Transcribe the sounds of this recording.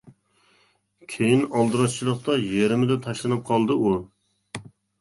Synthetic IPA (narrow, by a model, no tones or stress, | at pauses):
kʲʰejinɑlˠd̪ɨɾɑst͡ʃʰilˠəqt̪ɑjeɾmɪd̪ɛt̪ʰɑʃlˠɨnɨp̚qʰɑlˠd̪ɨu